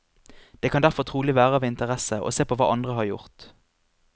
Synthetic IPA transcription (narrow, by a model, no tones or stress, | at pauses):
d̪̥eːkʰɑnd̪æʁfɔʁt̪ʰʁuːlɪʋæːʁəɑːʋɪnt̪əʁɛsəʔo̰ːseːpʰoːʋɑ̰ːʔɑnd̪ʁəɦɑʁjʊ̰ʁt̪